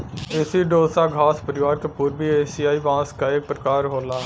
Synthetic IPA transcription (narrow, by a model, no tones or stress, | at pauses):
esiːɖoːsaːɡʱaːspəɾɪʋaːɾkepʊːɾbiːeːsiːaːiːbãːskaːeːk̚pɾəkaːɾɦoːlaː